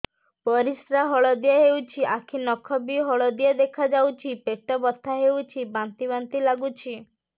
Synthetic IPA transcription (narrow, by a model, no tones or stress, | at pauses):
pɔɾisɾaɦɔɭɔd̪iaɦewt͡ʃʰiʔakʰinɔkʰɔbiɦɔɭɔd̪iad̪ekʰad͡ʒawt͡ʃʰipeʈɔbɔt̪ʰaɦewt͡ʃʰibant̪ibant̪ilaɡut͡ʃʰi